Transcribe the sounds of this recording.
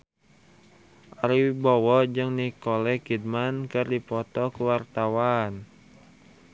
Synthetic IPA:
ʔaɾibɔwɔd͡ʒɨŋnikɔlɛkid̚mankɨrdipɔt̪ɔkuwart̪awan

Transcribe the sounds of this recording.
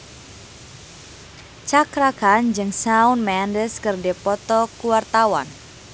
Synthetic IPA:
t͡ʃakɾakand͡ʒɨŋsaʊnmɛndəskərdepɔt̪ɔkuwart̪awan

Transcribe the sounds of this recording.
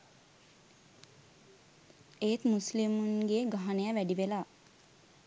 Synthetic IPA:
et̪muslimunɡeːɡaɦanəjaʋæɖiʋelaː

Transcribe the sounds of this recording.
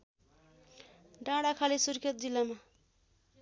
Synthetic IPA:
ɖãɽakʰalisurkʰet̪̚d͡zilːama

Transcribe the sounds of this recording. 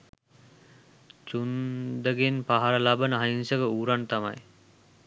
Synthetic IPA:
t͡ʃund̪əɡenpaɦaɾəlabənəɦainsəɡəuːɾant̪ama̰j

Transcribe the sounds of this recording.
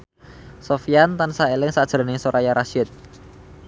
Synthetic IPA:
sofiant̪ansaelɪŋsad̥ʒ̥ɾ̤nɪŋsoɾajaɾaʃɪt̪̚

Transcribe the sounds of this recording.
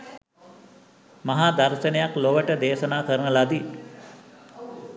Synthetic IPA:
maɦad̪aɾʃənejakloʋəʈəd̪eːʃənaːkəɾənəlad̪i

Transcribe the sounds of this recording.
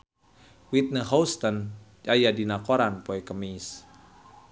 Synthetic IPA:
wit̪̚nəɦowst̪ən | d͡ʒajadinakoɾanpɔɛkəmis

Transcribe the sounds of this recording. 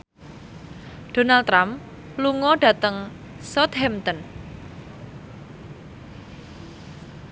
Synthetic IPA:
d̥o̤nalt̪ɾam | luŋɔɖ̥ä̤t̪əŋ | sɔt̪hɛmt̪ɔn

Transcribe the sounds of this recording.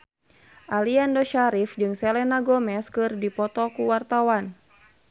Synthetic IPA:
ʔaliandɔʃaɾifd͡ʒɨŋsɛlɛnaɡɔmɛskɨrdipɔt̪ɔkuwart̪awan

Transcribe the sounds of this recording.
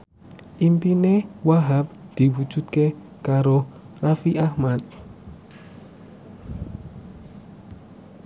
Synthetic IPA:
ʔimpinewaɦap̚d̪̥i̤wu̥d͡ʒṳt̪̚ke | kaɾo | rafiʔahmat̪̚

